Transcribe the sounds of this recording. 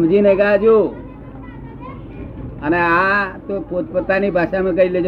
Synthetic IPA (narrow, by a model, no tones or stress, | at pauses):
md͡ʒineɡad͡ʒu | əneãt̪opot̪̚pət̪anibʱaʃamekəiled͡ʒ